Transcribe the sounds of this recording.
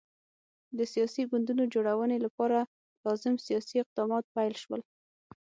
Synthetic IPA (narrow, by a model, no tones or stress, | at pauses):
d̪əsijɑsiɡʊnd̪unod͡ʒoɽawənelapɑɾa | lɑzɪmsijɑsiɪq̚d̪ɑmɑt̪̚pajlʃwəl